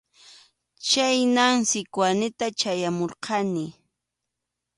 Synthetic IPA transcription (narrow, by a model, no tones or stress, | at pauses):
t͡ʃajnaŋsɪkwanɪt̪at͡ʃajamoɾqɑnɪ